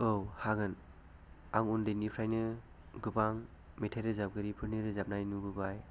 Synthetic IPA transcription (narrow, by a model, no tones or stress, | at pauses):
owhaɡɯn | aŋundɯnipʰɾajnɯ | ɡɯbaŋ | metʰaɾɯzap̚ɡɯɾipʰɯɾniɾɯzap̚najnubɯbaj